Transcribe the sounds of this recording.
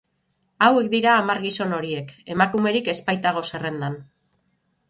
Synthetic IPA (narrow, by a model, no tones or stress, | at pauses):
awe̞kd̪iɾaːmaɾɣiso̞no̞ɾie̞ke̞makume̞ɾike̞spajt̪aɣ̞o̞sere̞nd̪an